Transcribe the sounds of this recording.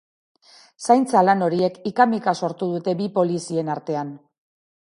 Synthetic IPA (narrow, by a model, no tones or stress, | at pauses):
sajnt͡salano̞ɾie̞kikamikaso̞ɾt̪uð̞ut̪e̞bipo̞lisie̞naɾt̪e̞an